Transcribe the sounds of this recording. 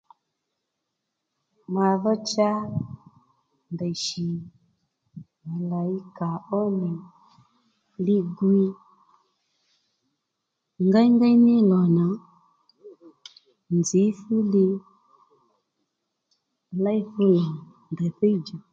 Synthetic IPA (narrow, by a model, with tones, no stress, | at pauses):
ma˨ðɔ˦t͡ʃa˦ | ndɛ˨ʃi˨ | ma˨la˨i˦ka˨ɔ˦mi˨ | li˦ɡwi˦˨ | ŋɡa˦i˦ŋɡa˦i˦ni˦lɔ˨na˨ | nzi˨˦fu˦li˦˧ | la˦i˦fu˦la˨ | ndɛ˨θɛ˦i˦d͡ʒa˨